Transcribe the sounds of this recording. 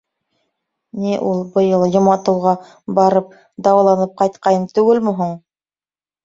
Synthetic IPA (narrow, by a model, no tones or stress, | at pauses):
niʔulˠbɤ̆jɤlˠjŏmɑt̪ɤ̆wʁɑ | bɑɾɤp̚ | d̪ɑwɑlˠɑnɤp̚qɑjt̪qɑjɤmt̪ʉɡɘlmɘ̆ɦuɴ